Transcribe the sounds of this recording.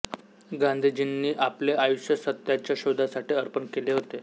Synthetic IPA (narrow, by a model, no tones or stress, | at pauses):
ɡãnd̪ʱid͡ʑinːiːʔapleajuɕjəsət̪jat͡ɕjaɕod̪ʱasaʈiːəɾpənkeleɦot̪e